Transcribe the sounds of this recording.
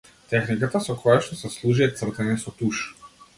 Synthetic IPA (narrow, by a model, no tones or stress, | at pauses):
t̪ɛxnikat̪asɔkʰɔjaʃt̪ɔsɛslˠuʒiɛt̪svr̩t̪ɛnɛsɔt̪uʃ